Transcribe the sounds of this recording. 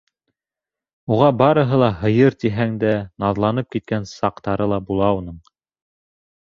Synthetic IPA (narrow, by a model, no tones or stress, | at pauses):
uʁɑbɑɾɤ̆ɦɤlˠɑɦɤ̆jɤɾt̪iɦæŋd̪ænɑðlˠɑnɤp̚kit̪̚kænsɑqt̪ɑɾɤlˠɑbulˠɑunɤɴ